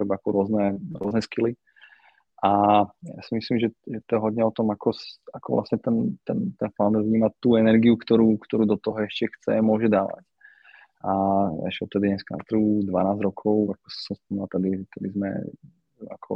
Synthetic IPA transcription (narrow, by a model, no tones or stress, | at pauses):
ɾɛbaakɔɾʊɔznɛɾʊɔznɛskili | ʔaja̰simislimʒɛʒɛt̪ɔɛɦɔd̪ɲɛɔt̪ɔmakʰɔsakɔ̰ʋlʔa̰sɲɛt̪ɛnt̪ɛnt̪ɛnfand̪vɲiːmat̪ːuːɛnɛɾɡiukt̪ɔɾuːkt̪ɔɾuːd̪ɔt̪ɔɦɔɛʃcɛxt͡sɛ̰mʊɔʒɛd̪aːʋa̰c | aɛ̰ʃɔt̪ːɛd̪iɲɛskana̰t̪ɾud̪ʋanaːzɾɔkʰɔʊakɔ̥ssɔmspɔmilat̪ad̪iʒɛt̪ɛd̪izmɛ̰ | a̰kʰɔ̰